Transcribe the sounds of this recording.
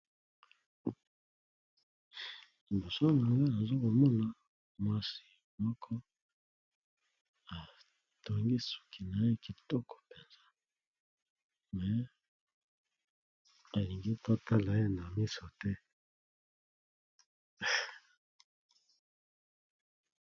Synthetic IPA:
mbo˨sa˦ŋa˨wa˦na˨zo˦ko˨mɔ˦na˨ | mwa˦si̥˦ | mɔ˦kʰɔ˦ | a˨ | to˨ŋɡi˦su̥˨kʰi˨na˨je˦ki˨tɔ˦kɔ̥˨pe˨nza˦ | mɛ˨˦ | a˨li˨ŋɡi˦to˦ta˦la˨e˦na˨mi˦so˨tɛ˦

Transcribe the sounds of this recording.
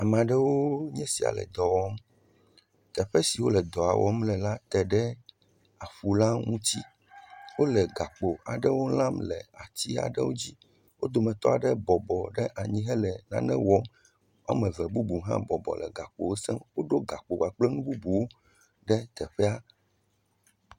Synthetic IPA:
a˨m˨a˨ɖɛ˦wo˦ɲɛ̃˦si˨a̰˨lɛ̰˨d̪ɔ˨wɔ˦m | t̪ɛ˨ɸɛ˦si˨wo˦lɛ˨d̪ɔ˨a˨wʔɔ˦mlɛ˨la˦t̪ɛ˨ɖɛ˦ | a˨ɸu˨la˦ŋũ˦t͡ɕi˦ | wo˦lɛ˨ɡa˨k͡po˨a˨ɖɛ˦wo˦lã˦mlɛ̰˨a˨t͡ɕ̪i˦a̰˨ɖɛ˦wo˦d͡ʑi˦ | wo̰˦d̪o˨mɛ̃˨t̪ɔ̰˦a˨ɖɛ˦bɔ˨bɔ˨ɖɛ˦ʔa˨ɲĩ˦ɦɛ˦lɛ˨nã̰˨nɛ̰̃˦wɔ˦m | a̰˦mɛ̃˨vɛ˨bu˦bu˨ɦã̰˦bɔ˨bɔ̰˨lɛ̰˨ɡa˨k͡po˨wo˦sɛ˦mwo˦ɖo˦ɡa˨k͡po˨wa˨k͡plɛ˦nũ˦bu˦bu˨wo˦ | ɖɛ˦t̪ɛ˨ɸɛ˦a˦

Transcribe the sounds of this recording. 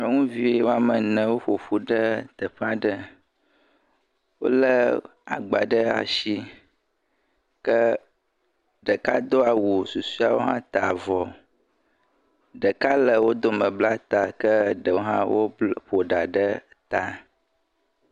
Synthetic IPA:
nə˦ŋũ˦vi˦wo˦a˨mə˨nə̃˨wo˦ɸo˨ɸu˦ɖə˦t̪ə˨ɸa˦ɖə˦ | wo̰˦lə˦ | a̰˨ɡ͡ba˨ɖə˦a̰˨ʃi˦ | kə˦ | ɖə˨ka˦d̪o˦a˨wu˨su˨su˦a˨wo˦ɦã˦t̪a˨vɔ˨ | ɖə˨ka˦lə˨wo˦d̪o˦mə̃˨bla˦t̪a˨kə˦ɖə˨wo˦ɦã˦wo˦ɸo˨ɖa˨ɖə˦ | t̪a˨

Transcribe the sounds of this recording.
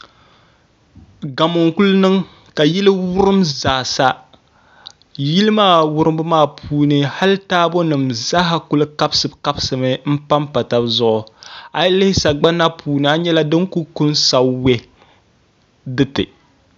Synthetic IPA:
ɡa˨mo˨ŋku˦lnɨ˦ŋ | ka˨ji˦lɨ˦wʊ˦ɾɨ˦mzaː˨sa˦ | ji˦lɨ˦maː˦˨wʊ˦ɾɨ˦mbɨ˦maː˦˨pʰuː˦nɨ˦ha˦ltaː˦bo˦nɨ˨mza˦ɦa˦kʊ˦lɨ˦ka˦bsɨ˨˦bka˦bsɨ˨mɨ˨m̩˦pa˦mpa˨ta˨bzʊ˦ʔʊ˨a˨jlɪ˦hɪ˦sa˨ɡ͡ba˦na˦pʰuː˨nɨ˨a˦ɲɛ˦la˦dɨ˦ŋku˦ku˦nsa˨we˦ | dɨ˦tɨ̰˨

